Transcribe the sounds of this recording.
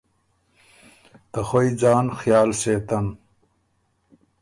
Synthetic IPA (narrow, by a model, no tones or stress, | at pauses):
t̪ɐxojd͡ʑaːnxjaːlseːt̪ɐn